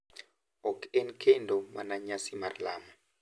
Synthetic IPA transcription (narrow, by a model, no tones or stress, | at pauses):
ɔkenkʰendomanaɲasimarla̰mɔ